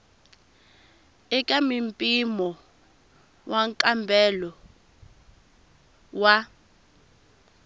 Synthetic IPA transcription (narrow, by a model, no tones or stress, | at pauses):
ɛkʼamimpʼimɔ | wʔaŋkʼambʱɛlɔ | wa